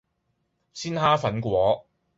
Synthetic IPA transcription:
siː˥nhaː˥fɐ˨˥nkʷɔː˨˥

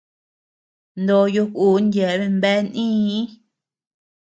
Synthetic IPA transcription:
nd̪o˧ju˧ku˨˦ndʲje˨˦βe˧mbe˦nʔĩ˦

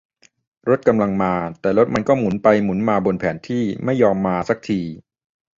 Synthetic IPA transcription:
ɾo˦˥t̪̚ka˧mla˧ŋmaː˧t̪ɛː˨˩ɾo˦˥t̪̚ma˧nkɔː˥˩mu˩˦npa˧jmu˩˦nmaː˧bo˧npʰɛː˩˦nt̪ʰiː˥˩ma˥˩jːɔː˧mːaː˧sa˦˥k̚t̪ʰiː˧

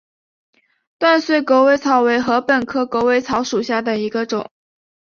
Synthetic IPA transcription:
t̪wa˥˧nswe˥˩ɪko˧˥we˧˥ɪt͡sʰɑ˧˥ʊwe˧˥ɪxɤ˧˥pə˨˩nkʰɤ˥ko˧˥ʊwe˧˥ɪt͡sʰɑ˧˥ʊʂu˨˩ɕja˥˩d̪ə˩i˧˥ɡə˧ʈ͡ʂʊ˨˩˦ŋ

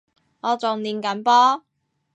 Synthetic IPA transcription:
ŋɔː˨˧t͡sʊ˨ŋniː˨˧nkɐ˨˥npɔː˥

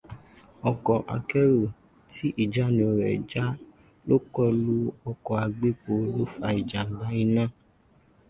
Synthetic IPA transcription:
ɔ˧kɔ˨ʔa̰˧kɛ˦ɾo˦˨ | tʰi˦ʔi˦˨d͡ʒa˨˦nĩ˨˦ɔ˧˨ɾɛ̰˨d͡ʒa˦ | lo˦kɔ˧˨lu˦ɔ˧kɔ˧˨a˧ɡ͡be˦k͡po˧˦lo˦fa˧i˨d͡ʒa˨ŋ̩˨la˨˦ĩ˦nã˦˨

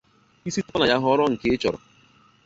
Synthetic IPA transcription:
i˦si˦tɔ˦na˨ja˦ɦʊ˦ɔ˦ɾɔ˦ŋ̩˨kɪ˦e˦t͡ʃɔ̰˨ɾɔ̰˨

